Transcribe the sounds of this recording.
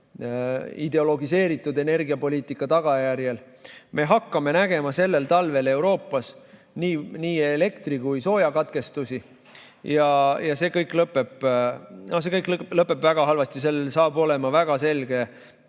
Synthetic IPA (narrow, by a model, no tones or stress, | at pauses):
ḭd̪̥e̞o̞lo̞ɡise̞ːɾit̪ːˑud̪e̞ne̞rɡiɑpo̞liːt̪ˑikːˑɑt̪ɑɡ̥ɑjærjel | me̞ɦɑkːɑme̞næɡ̥e̞mɑse̞lːe̞lt̪ɑlve̞le̞wɾo̞ːpːˑɑs | niːniːele̞kt̪rikujso̞ːjɑkɑt̪ke̞st̪usi | jɑjɑse̞ːkɤjkːˑlɤpːˑe̞pːnos̬e̞kɤjkˑlɤpːˑe̞pvæɡ̥ɑɦɑlvɑst̪is̬e̞lsɑːbo̞le̞mɑvæɡ̥ɑse̞lɡ̥e̞